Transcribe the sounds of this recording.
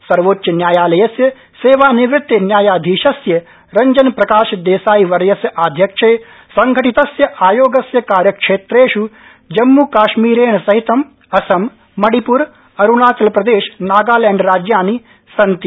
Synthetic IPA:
sɐɾʋoːtːjɐnjaːjaːlɐjɐsjɐ | seːʋaːniʋɾɪt̪ːɐnjaːjaːd̪ʱiːʃɐsjɐ | ɾɐɲd͡ʒɐnpɾɐkaːʃɐd̪eːsaːjiʋɐɾjɐsjɐʔaːd̪ʱjɐkʂeː | sɐŋɡʱɐʈit̪ɐsjɐʔaːjoːɡɐsjɐkaːɾjɐkʂeːt̪ɾeːʃu | d͡ʒɐmːukaːʃmiːɾeːɳɐsɐɦit̪ɐm | ɐsɐmː | ɐɽipuɾ | ɐɾunaːt͡ʃɐlpɾɐd̪eːʃnaːɡaːlɛːɳɖɾaːd͡ʒjaːni | sɐnt̪i

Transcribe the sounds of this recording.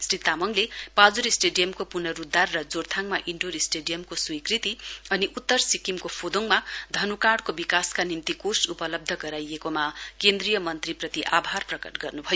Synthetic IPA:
srit̪amʌŋlepad͡zuɾisʈeɖijʌmkopunʌrud̪arːʌd͡zort̪ʰaŋmaʔiɳɖoɾisʈeɖijʌmkoswikrit̪iʌniʔut̪ːʌrsikimkopʰod̪oŋmad̪ʱʌnukaɽkobikaskanimt̪ikorsupʌlʌb̚d̪ʱʌɡʌɾajekomakend̪rijʌmʌnt̪riprʌt̪iʔabʱarprʌkʌʈɡʌrnubʱʌjo

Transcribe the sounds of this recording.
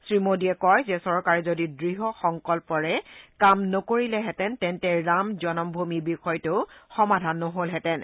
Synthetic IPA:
sɹimodiɛkɔjzɛsɔɹkaɹɛzodidɹiɦɔxɔŋkɔlpɔɹɛkamnɔkoɹilɛɦɛtɛntɛntɛɹamzɔnɔmbʱumibixɔjteʊxɔmadʱanːɔɦolɦɛtɛn

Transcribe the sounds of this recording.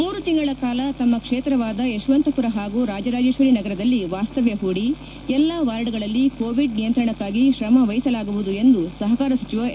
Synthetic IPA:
muːɾut̪iŋɡɐɭɐkaːlɐt̪ɐmːɐkʂeːt̪ɾɐʋaːd̪ɐeʃʋɐnt̪ɐpuɾɐɦaːɡuːɾaːd͡ʒɐɾaːd͡ʒeːʃʋɐɾinɐɡɐɾɐd̪ɐlːiʋaːst̪ɐʋjɐɦuːɽi | ɛlːɐʋaːɾɖuɡɐɭɐlːikoːʋiɖnijɐnt̪ɾɐɳɐkːaːɡiʃɾɐmɐʋɐjisɐlaːɡuʋud̪ue̞nd̪usɐɦɐkaːɾɐsɐt͡ʃiʋɐ

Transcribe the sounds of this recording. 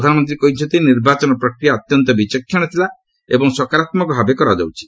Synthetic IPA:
d̪ʱanɔmɔnt̪ɾikɔɦit͡ʃʰɔnt̪iniɾbat͡ʃɔnɔpɾɔkɾijaɔt̪jɔnt̪ɔbit͡ʃɔkʰːjɔɽ̃ɔt̪ʰila | ebɔŋsɔkaɾat̪mɔkɔbʱabekɔɾad͡ʒa̰wt͡ʃʰi̥

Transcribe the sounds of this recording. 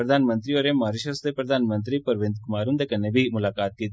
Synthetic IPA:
ɾɐd̪ʱaːnmɐnt̪ɾioːɾemaːɾuʃɐsd̪epɾɐd̪ʱaːnmɐnt̪̬ɾipɐɾʋend̪kumaːɾund̪ekɐnːebimulaːkaːt̪̚ki

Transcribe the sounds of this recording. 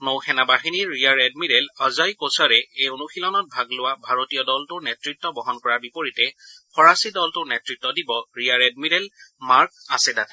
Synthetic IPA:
nowxʰɛnabaxiniɹːijaɹɛd̚midɛlazajkosaɹɛejonuxilɔnɔt̚bʱaɡlʊwabʱaɹotijɔdɔltʊɹnɛtɹitːɔbɔɦɔnkɔɹaɹbipoɹitɛpʰɔɹasidɔltʊnɛtɹitːɔdibɔɹijaɹɛdmidɛlmaɹkasɛdat

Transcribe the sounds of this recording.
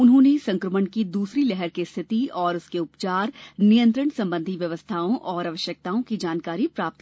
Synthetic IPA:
ʊnɦõnesɐ̃ŋkɾəməɳkid̪uːsɾilɛɦɛɾkest̪ʰɪt̪iɔːɾʊskeʊpt͡ʃaːɾnijə̃nt̪ɾəɳsɐ̃mbə̃nd̪ʱiʋjɐʋəst̪ʰaːõʔɔːɾɐʋəʃjək̚t̪aːõkid͡ʒaːnkaːɾipɾaːp̚t̪̚

